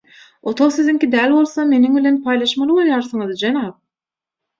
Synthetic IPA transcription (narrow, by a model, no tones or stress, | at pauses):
ot̪ʰoʁsiziŋkʲid̪æːlʲbo̞lˠθome̞niŋbilʲe̞npʰɑːjlˠɑʃmɑlˠɯbolˠjɑːɾθɯŋɯzd͡ʒenɑp̚